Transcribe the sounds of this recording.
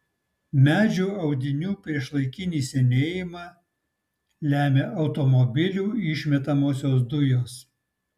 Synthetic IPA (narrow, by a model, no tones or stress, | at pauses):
mʲæːd͡ʒʲuːɐʊd̪ʲɪnʲuːpʲɾʲiɛʃlˠɐɪkʲɪnʲiːsʲɛnʲeːjɪmɑː | lʲæːmʲeʔɐʊt̪omɔbʲɪlʲuːɪʃʲmʲɛt̪ɐmoːsʲoːs̬d̪ʊjoːs